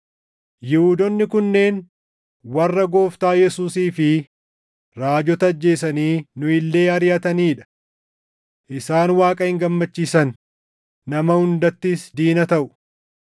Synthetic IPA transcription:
jɪhuːd̪ɔnːɪkʊnːe̞ːn | wɐrːɐɡo̞ːft̪aːjɛsuːsiːfɪ | ɾaːd͡ʒɔt̪ɐːd͡ʒːe̞ːsɐniːnʊɪlːe̞ːɐɾjɐt̪ɐniːᶑɐ̥ | ʔɪsaːnwaːkʼɐhɪŋɡɐmːɐt͡ʃːiːsɐnː | ɐmɐhʊnd̪ɐt̪ːisd̪iːnɐt̪ɐʔʊ̥

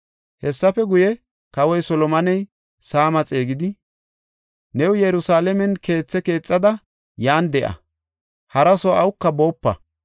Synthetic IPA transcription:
hɛsːɐfɛɡʊjɛ | kɐwɔjsɔlɔmɐnɛj | saːmɐt͡sʼe̞ːɡɪd̪ɪ | nɛwjɛɾʊsaːlɛmɛnke̞ːt͡sːɛke̞ːt͡sʼːɐd̪ɐ | jaːnd̪ɛʔɐ̰ | hɐɾɐsɔɐwʊkːɐbo̞ːpːɐ̰

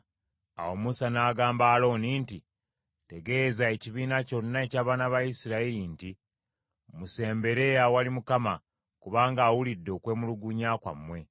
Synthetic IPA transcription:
a̰wo̞musanaːɡaːmbaːlo̞ːninti | te̞ɡe̞ːzae̞ciβiːnaco̞nːae̞caːβaːnaβajisiɾailinti | muse̞ːmbe̞ɾe̞jawalimukama | kuβaːŋɡaːwulidːo̞ːkwe̞ːmuluɡuɲaːkwa̰mːwe̞

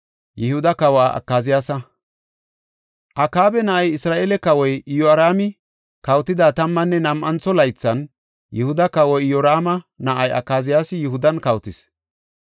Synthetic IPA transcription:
jɪhʊd̪ɐkɐwaːɐ̰kːaːzɪjaːsɐ | ʔɐkaːbɛnɐʔɐjɪsɾaːʔeːlɛkɐwɔjɪjɔɐɾaːmɪ | kɐwt̪ɪd̪aːt̪ɐmːɐnːɛnɐmʔɐnt͡sɔlɐjt͡sːɐn | jʔɪhʊd̪ɐkɐwɔjjɔɾaːmɐnɐʔɐjɐ̰kːaːzɪjaːsɪjɪhʊd̪ɐnkɐwt̪ɪs

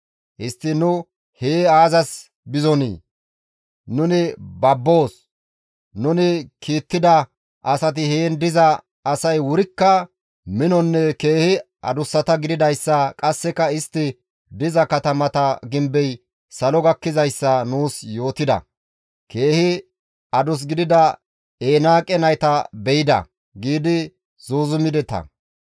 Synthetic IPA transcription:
ʔɪst̪ːɪnʊ | heːaːzɐs | bɪzɔnḭː | nʊnɪbɐbːo̞ːs | nʊnɪkiːt̪ːɪd̪ɐ | ʔɐsɐt̪̬ɪheːnd̪ɪzɐː | sɐjwʊɾɪkːɐ | mɪnɔnːɛke̞ːhɪ | ɐ̰d̪ʊsːɐt̪ɐɡɪd̪ɪd̪ɐjsːɐkʼɐsːɛkɐɪst̪ːɪ | d̪ɪzɐkɐt̪ɐmɐt̪ɐɡɪmbɛj | sɐlɔɡɐkːɪzɐjsːɐnuːsjo̞ːt̪ɪd̪ɐ̰ | ke̞ːhɪ | ɐd̪ʊs̬ɡɪd̪ɪd̪ɐ | eːnaːkʼɛnɐjt̪ɐbɛjɪd̪ɐ̰ | ɡiːd̪ɪ | z̥oːzʊmɪd̪ɛt̪ɐ̰

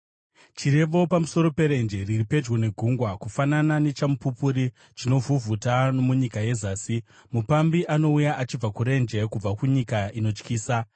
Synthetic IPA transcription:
t͡ʃiɾe̞ʋo̞pamuso̞ɾo̞pe̞ɾe̞nd͡ʒe̞riripe̞d͡ʒwone̞ɡʱuŋɡwakufananane̞t͡ʃamupupuɾi | t͡ʃino̞vuvʱutanomuɲikaje̞zaːsi | mupambiʔano̞ujaʔat͡ʃib͡vakuɾe̞nd͡ʒe̞kub͡vakuɲikaino̞t͡ʃkiːsa

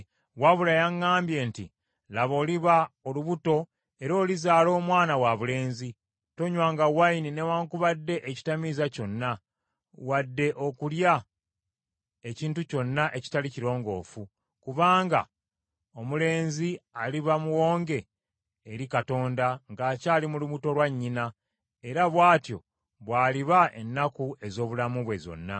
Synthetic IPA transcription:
waβulajaŋːaːmbje̞ntḭ | laβo̞ːliβaoluβuto̞ | e̞ɾo̞ːlizaːlo̞ːmwaːnawaβule̞ːnzi | to̞ɲwaːŋɡawaininewaːŋkuβadːe̞ʔeci̥tamizaco̞nːa | wadːe̞ʔo̞kulja | e̞ciːntuco̞nːaʔe̞ci̥taliciɾo̞ːŋɡo̞ːfu | kuβaːŋɡa̰ | o̞mule̞ːnzialiβamuwo̞ːŋɡe̞ː | ɾikato̞ːndaŋɡaːcaːlimuluβuto̞lwaɲːina | e̞ɾaβwaːtjo̞̰ | βwaːliβaʔe̞̰nːakue̞zo̞ːβulamuβwe̞zo̞̰nːa̰

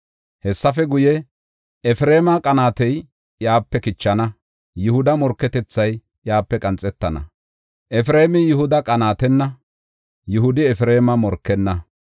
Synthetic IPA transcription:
hɛsːɐfɛɡʊjɛ | ɛfɪɾeːmɐkʼɐnaːt̪ɛj | jaːpːɛkɪt͡ʃːɐnɐ | jʊhʊd̪ɐmɔɾkːɛt̪ɛt͡sːɐj | jaːpːɛkʼɐnt͡sʼɛt̪ːɐnɐ̰ | ʔɛfɾeːmɪjɪhʊd̪ɐkʼɐnaːt̪ɛnːɐ | jʊhʊd̪ɪɛfɪɾeːmɐmɔɾkːɛnːɐ

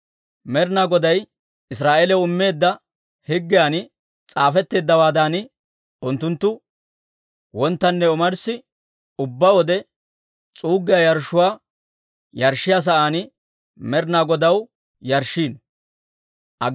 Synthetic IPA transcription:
mɛɾnaɡɔd̪ɐj | ɪsɾaːʔeːlɛʊmːe̞ːd̪ːɐ | hɪɡːɪjaːnɪ | t͡sʼaːfɛt̪ːe̞ːd̪ːɐwaːd̪aːnɪ | ʔʊnt̪ːʊnt̪ːʊ | wɔnt̪ːɐnːɛʊmɐɾsɪ | ʊbːɐwɔd̪ɛ | t͡sʼuːɡːɪjajɐɾʃːʊwaː | jɐɾʃːɪjas̬ɐʔaːnɪ | mɛɾnaːɡɔd̪ɐw | jɐɾʃːiːn | ʔɐ

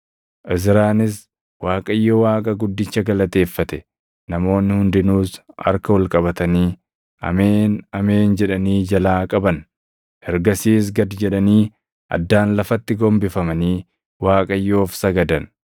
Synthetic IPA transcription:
ʔɪzɪɾaːnɪs | waːkʼɐjːowaːkʼɐɡʊd̪ːɪt͡ʃːɐɡɐlɐt̪e̞ːfːɐt̪ɛ | nɐmo̞ːnːɪhʊnd̪ɪnuːsɐ̰ɾkɐwɐlkʼɐbɐt̪ɐniː | ɐ̰meːnɐme̞ːnd͡ʒɛᶑɐniːd͡ʒɐlaːkʼɐbɐn | hɛɾɡɐsiːs̬ɡɐd̪d͡ʒɛᶑɐniː | ʔɐ̰d̪ːaːnlɐfɐt̪ːɪɡɔmbɪfɐmɐniː | waːkʼɐjːo̞ːfsɐɡɐd̪ɐn

